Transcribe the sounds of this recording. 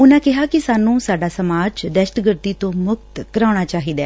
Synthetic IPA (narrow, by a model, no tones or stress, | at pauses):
ʊnãːkɪɦaːkisaːnũːsaːɖaːsəmaːd͡ʒd̪ɛʃʈɡəɾt̪iːt̪õːmʊk̚t̪kəɾãːʊɽ̃aːt͡ʃaːɦiːd̪a̰ː